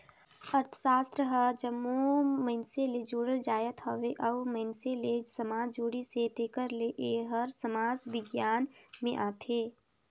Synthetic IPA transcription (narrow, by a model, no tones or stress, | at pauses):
ɐɾt̪ʰə̥saːst̪ɾəɦəd͡ʒəmːomɐɪnseled͡ʒoːɽəld͡ʒaːjət̪ɦɔʋeʔɐʋməɦnselesəmaːd͡ʒd͡ʒoːɽiset̪eːkəɾleʔeɦəɾsəmaːd͡ʒʋɪɡjaːnmẽʔaːt̪ʰeː